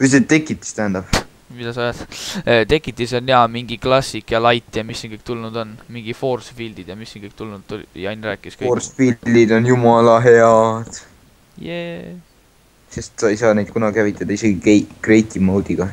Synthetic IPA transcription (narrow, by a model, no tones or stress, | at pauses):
yset̪ːe̞kːˑit̪ːˑi̥st̪æhænd̪ɑb̥ | mid̪ɑsɑojɑd̪t̪e̞kːˑit̪ːˑis̬onːeɑmiŋɡiklɑsikjɑlɑjt̪ːˑjɑmisːinkɤjk̚t̪ulnud̪o̞nmiŋɡ̥ifo̞ːrsfild̪̥id̪̥jɑmisːinkɤjk̚t̪ulnud̪t̪ujɑjnræːkːˑiskrsfid̪id̪o̞njumɑlɑɦe̞ɑd̪̥ | je | se̞st̪sɑejsɑːnejd̪̥̚kunɑɡ̥ʲihævit̪ːˑɑd̪̥ɑise̞ɡieɡre̞jt̪ˑimɑwd̪iɡ̥ɑ